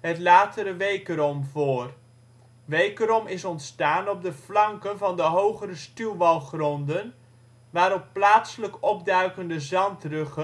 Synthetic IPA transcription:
ɦətlaːtəɾəʋejkərɔmvoːr | ʋejkəɾɔmɪsɔntstaːnɔb̚dəvlɑŋkənvɑndəɦowχəɾəstylˠʋɑlˠχrɔndən | ʋaːɾɔpːlaːtsələkɔb̚dœɥkəndəzɑntrɵχə

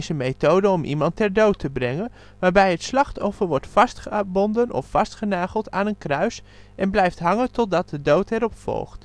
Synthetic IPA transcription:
zəmejtowdəɔmʔḭmɑntːɛrdowtəbrɛŋən | ʋaːɹbɛjətslɑχtɔfəʋɔɹtfɑstχəbɔndənɔ̰fːɑstχənaːχəlˠtaːnənkrœɥs | ʔɛnblɛjftɦɑŋəntɔt̚dɑt̚dədowtɛɾɔpfɔ̰lˠχt

